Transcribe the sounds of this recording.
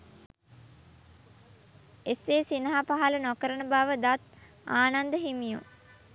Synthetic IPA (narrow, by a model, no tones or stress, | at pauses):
eseːsinəɦapaɦalənɔkəɾənəbaːʋəd̪at̪̚ | aːnand̪əɦimijṵ